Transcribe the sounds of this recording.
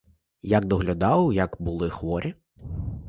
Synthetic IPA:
jɐk̚d̪ɔɦlʲʊd̪ɑwjɐkbʊlˠɪxʋɔɾʲi

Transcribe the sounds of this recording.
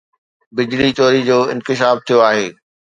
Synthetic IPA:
bɪd͡ʑlit͡ɕɔːɾid͡ʑoːɪ̃nkɪʃ̬aːb̚t̪ʰijoaːɦeː

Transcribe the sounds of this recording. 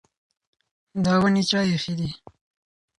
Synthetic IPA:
d̪ɑwənit͡ʃɑjexid̪i

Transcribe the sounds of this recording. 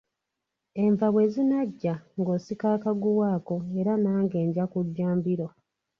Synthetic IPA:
e̞ɱvaβwe̞ːzinaɟːaŋɡo̞sikaːkaɡuwaːko̞eɾanaːŋɡe̞ːɲɟakuɟːaːmbiɾo̞

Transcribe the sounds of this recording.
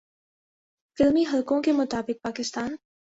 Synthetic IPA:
fɪlmiɦɐlkõkemʊt̪aːbɪk̚paːkɪst̪aːn

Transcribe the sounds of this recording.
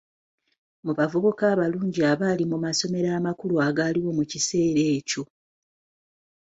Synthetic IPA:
muβavuβukaːβaluːɲɟiaβaːlimumaso̞me̞ɾaːmakuluaːɡaːliwo̞mucise̞ːɾe̞ːco̞

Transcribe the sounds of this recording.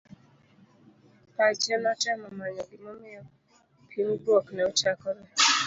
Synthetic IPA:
pat͡ʃɛnatɛmɔmaɲɔɡɪmɔmɪɔ | pʰinbwɔknɛɔt͡ʃakɔɾɛ

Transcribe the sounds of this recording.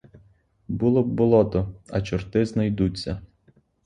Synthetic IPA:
bulˠɔbbʊlˠɔt̪ɔɐt͡ʃɔrt̪ɪznɐjd̪ut͡sʲːɐ

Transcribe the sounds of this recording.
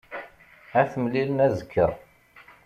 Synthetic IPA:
æθəmlilənæzəkʰːəɾˤ

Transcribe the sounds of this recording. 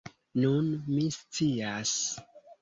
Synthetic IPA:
nunmist͡sias

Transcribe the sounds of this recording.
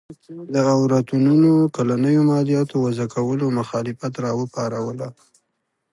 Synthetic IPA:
kd̪əawɾat̪ununokalanəjomɑlijɑt̪owazakʰawəlomʊxɑlɪfat̪ɾɑwəpɑɾawəla

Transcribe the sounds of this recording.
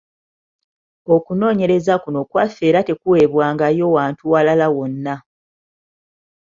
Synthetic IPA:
o̞kuno̞ːɲe̞ɾe̞zakuno̞kwafe̞ːɾate̞kuwe̞βwaːŋɡajo̞waːntuwalalawo̞nːa

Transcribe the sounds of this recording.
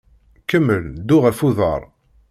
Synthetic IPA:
kəmːəld̪uʁəfuðˤə̰ɾˤ

